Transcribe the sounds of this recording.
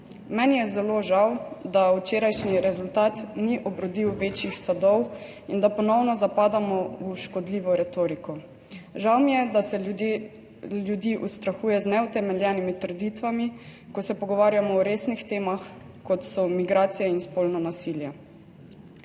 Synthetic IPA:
mɛnjɛzɛloːʒawd̪aut͡ʃeːɾajʃniɾɛzult̪aːt̪niʔɔbɾɔd̪iwʋeːt͡ʃjixsad̪ɔw | ind̪apɔnɔwnɔzapaːd̪amɔuʃkɔd̪liːʋɔɾɛt̪oːɾikɔ | ʒawmijɛd̪asɛ | ljud̪iːʔust̪ɾaxuːjɛznɛut̪ɛmɛljɛːnimit̪əɾd̪iːt̪ʋami | kɔsɛpɔɡɔʋaːɾjamɔːɾeːsnixt̪eːmax | kɔt̪sɔmiɡɾaːt̪sijɛinspolnɔnasiljɛ

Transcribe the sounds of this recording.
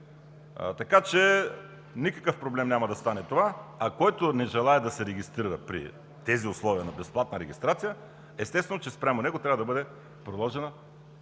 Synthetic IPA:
t̪ɐkat͡ʃɛ | nikəkəfpɾoblɛmnʲamɐd̪ɐst̪anɛt̪ovaɐkɔjt̪onɛʒɛlˠaɛd̪ɐsɛɾɛɡʲist̪ɾiɾəpɾḭ | t̪ɛziʊslˠɔviənɐbɛsplˠat̪̚nəɾɛɡʲist̪ɾat̪sijə | ɛst̪ɛst̪vɛnot͡ʃɛspɾʲamonɛɡot̪ɾʲavəd̪ɐbɤd̪ɛ | pɾod̪lˠɔʒɛnə

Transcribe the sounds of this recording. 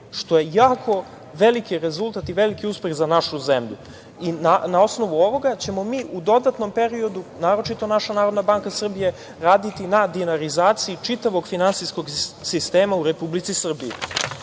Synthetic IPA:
ʃt̪o̞je̞jaːkʰo̞ | ʋe̞likiɾe̞zulˠt̪at̪iʋe̞likiuspe̞xzanaʃuzemʎṵ | inanao̞sno̞ʋuo̞ʋo̞ɡat͡ɕe̞mo̞miːʔud̪o̞d̪at̪no̞mpe̞ɾio̞d̪unaːɾo̞t͡ʃit̪o̞naʃanaːɾod̪nabaŋkasr̩bije̞ | ɾaːd̪it̪inad̪ienaɾizaːt̪siit͡ʂit̪aʋo̞ɡfinantsisko̞ɡsist̪e̞ːmauɾe̞publit̪sisr̩bii

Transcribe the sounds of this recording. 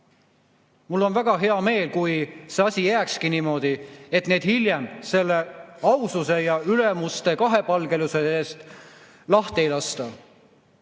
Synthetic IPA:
mulːo̞nvæɡ̥ɑɦe̞ɑme̞ːlkujseɑsʲijæːkskiniːmo̞d̪̥ie̞t̪ne̞ːd̪hiljemse̞lːe̞ɑwsuse̞jɑyle̞must̪e̞kɑɦe̞pɑlɡ̥e̞luse̞eːst̪ | lɑht̪e̞jlɑst̪ɑ

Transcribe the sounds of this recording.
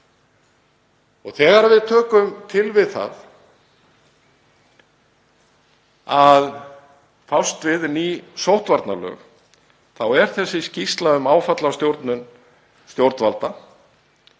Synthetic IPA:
ɔɣθɛːɣaɾvɪðt̪ʰœːkʏmt̪ʰɪlvɪðθa̰ð | að | fawst̪vɪðnisowht̪vaɾt̪nalœ̰ːx | θawɛɾ̥θɛsːɪscist̪laðʏmaːwfat̪last̪jowɾt̪nʏn | st̪jowɾt̪nvalt̪a

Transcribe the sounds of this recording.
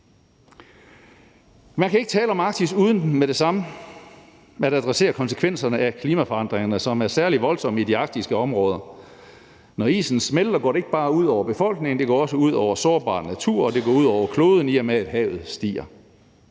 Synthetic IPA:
mænkʰæe̝ɡ̥ət͡sʰɛːləɒ̽mɑ̈ɡ̥̚t͡sʰisuːð̞ˠn̩meɾ̥e̝sɑ̈mə | æɾæd̥ʁɛse̝̰ːɐkʰɒ̽nsə̥kʰʋen̰sɐnəʔækʰliːmæfɒ̽ɑ̈n̰d̥ʁeŋɐnəsɒ̽mæɐsæɐliʋɒ̽lsɒ̽məidiɑ̈ɡ̥̚d̥isɡ̥əɒ̽mʁɔ̽ːð̞ˠɐ | nɒḭːsn̩smeld̥ɐɡɒ̰ːɾe̝e̝ɡ̥əb̥ɑ̈ːuð̞̰ˠɒʊ̰ɐb̥e̝fɒ̽l̰ɡ̥ne̝ŋn̩d̥e̝ɡɒ̰ːɒ̽səuð̞̰ˠɒʊ̰ɐsɒːɐb̥ɑ̰̈ːnæt͡sʰuɐ̰ɒ̽d̥e̝ɡ̥ɒ̰ːuð̞̰ˠɒʊɐkʰlo̝ːð̞ˠn̩iæmeæd̥ɦɛ̰ːʊð̞̩ˠsd̥ḭːɐ

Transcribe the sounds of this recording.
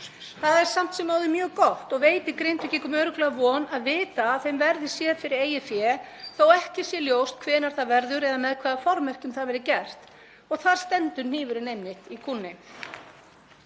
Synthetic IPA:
θaðɛɾ̥sam̥t̪sɛmːaːwðɪmjœːɣkɔht̪ɔɣveːjt̪ɪkɾejnt̪vɪcɛkʏmœːɥɾʏklɛɣavɔnaðvɪːt̪aːðθejmvɛɾðɪ̥sjɛðfɪɾɪɾeːjɪfjɛθowɛhcɪsjɛljoːwst̪̚kʰvɛːnaɾ̥θaðvɛɾðʏɾɛðamɛðkʰvaːðafɔɾmɛr̥cʏmθaðvɛɾɪcɛr̥t̪ | ɔɣθaɾ̥st̪ɛnt̪ʏɾn̥ɪːvʏɾɪnejmːɪht̪ikʰunːɪ

